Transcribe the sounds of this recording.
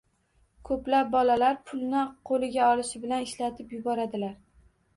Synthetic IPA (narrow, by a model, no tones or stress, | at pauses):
kʰɵplap̚bɒlalaɾpʰʊlˠnɪqʰolɪɡʲaɒlɪʃɪbɪlanɪʃlat̪ʰɪpjʊbɒɾad̪ɪlaɾ